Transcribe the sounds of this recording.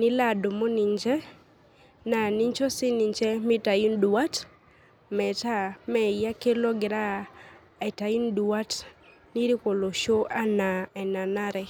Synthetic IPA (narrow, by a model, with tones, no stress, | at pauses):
nɪ˦la˦˨do˨mo˦ni˨ɲd͡ʒɛ˦ | na˨ni˦ɲt͡ʃo˦sɪ˦ni˨ɲt͡ʃɛ˦mɪ˦ta˨i˦ndu˨wa˦t | mɛ˨ta˦˨mɛ˨ja˦ke˦lo˦ɡɪ˨ɾa˦ | ɛ˨ta˨i˦ndu˨wa˦t | ni˦ɾi˦ko˨lo˨ʃo˦ʔa˦na˨ɛ˨na˨na˦ɾɛ˨